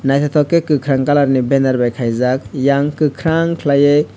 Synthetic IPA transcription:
najtʰatʰɔkːekɯkʰɾaŋkalaɾnibenaɾbajkʰajzak̚jaŋkɯkʰɾaŋkʰlaje

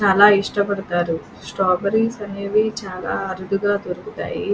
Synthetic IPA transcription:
t͡ʃaːlaːiʂʈɐpɐɽɐt̪aːɾu | sʈaːbɐɾisɐneʋit͡ʃaːla̰ːɐɾud̪uɡaːt̪oɾukut̪a̰ːji

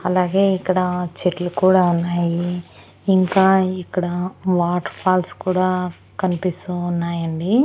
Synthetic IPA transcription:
ɐlaːɡe̞ːikːɐɽɐt͡ʃeʈlukuːɽaːunːaːjiː | ŋkaːikːɐɽɐʋaːʈpʰaːlskuːɽaː | kɐnipist̪uːnːaːjɐɳɖi

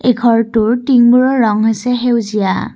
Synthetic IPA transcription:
ekʰɔɹtʊɹtiŋbuɹɔɹɔŋɦɔjsɛɦewzija̰

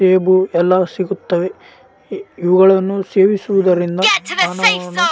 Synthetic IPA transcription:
eːbuɛlːɐsiɡut̪ːɐʋe̞ | iʋuɡɐɭɐnːuse̞ːʋisuʋud̪ɐɾind̪ɐmaːnɐʋɐnu

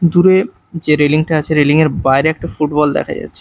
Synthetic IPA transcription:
d̪uɾe | d͡ʑeɾeliŋʈaat͡ɕʰeɾeliŋeɾbaeɾeɛk̚ʈafuʈbɔld̪ɛ̰kʰa̰d͡ʑa̰tːɕʰe̥

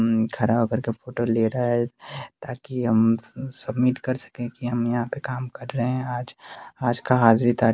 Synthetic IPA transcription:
kʰɐɾabkɐɾkefoːʈoleɾaɛt̪aːkiɦɐmsɐbmiʈkɐɾsə̥kẽkiɦɐmjɐɦãpekaːmkɐɾːəɦẽaːd͡ʒaːd͡ʒkaɦaːzɾit̪aːɾ

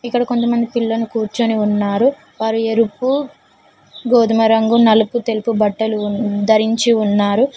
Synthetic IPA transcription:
ikːɐɽɐko̞nt̪ɐmɐnd̪ipilːɐnukuːɾt͡ʃoniunːaːɾu | ʋaːɾueɾupːu | ɡoːd̪ʱumɐɾɐŋɡunɐluput̪e̞lipubɐʈːɐlud̪ɐɾiɲt͡ʃiunːaːɾu

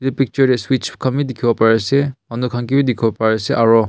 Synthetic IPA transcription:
dipik̚t͡ʃɔɹeswit͡ʃʰi̥kʰamidikʰibɔpaɹeseɔnukʰaŋkibidikʰibɔpaɹeseʔaɹɔ

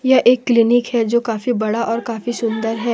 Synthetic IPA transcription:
jɐʔeːkːlinikhɛd͡ʒoːkaːfibɐɽaʔɔːɾkaːfisʊ̃nd̪əɾɦɛː

